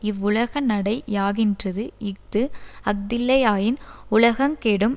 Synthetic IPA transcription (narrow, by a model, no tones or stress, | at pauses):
ɪʋːʊlɐɣɐnɐɽɐɪjaːɣɪndrɐðɯɪk̚d̪ɯɐk̚d̪ɪlːɐjaːjɪnʊlɐɣɐmkeːɽɯm